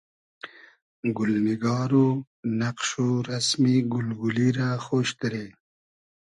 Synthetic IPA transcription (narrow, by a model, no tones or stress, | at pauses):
ɡʊlniɡɑːɾu | naqʃoɾasmiɡʊlɡuliɾaxoːʃd̪ɾe